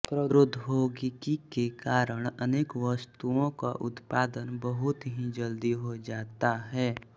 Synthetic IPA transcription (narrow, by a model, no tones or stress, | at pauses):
pɾəɾʊd̪ʱːbʱoːɡɪkikekaːɾəɽ̃əneːkʋəst̪uõka̰ʔʊt̪paːd̪ənbəɦʊt̪ɦid͡ʒəld̪iɦod͡ʒaːt̪aɦɛː